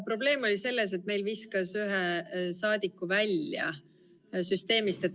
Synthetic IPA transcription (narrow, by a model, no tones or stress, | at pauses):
pro̞ble̞ːmo̞lʲise̞lːe̞s̬e̞t̪me̞jlviskɑsyɦesɑːd̪̥ikːˑuvælʲjɑ̰ | syst̪e̞ːmist̪e̞t̪ː